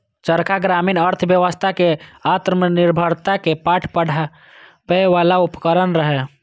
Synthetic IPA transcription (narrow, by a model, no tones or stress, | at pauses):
t͡ʃəɾkʰaɡɾaːmiːnəɾt̪ʰʋjəʋəst̪ʰakeat̪ɾmənɪɾbʱəɾt̪akepaːʈʰpəɽ | pəeʋaːlaʊpkəɾənɾəɦɛ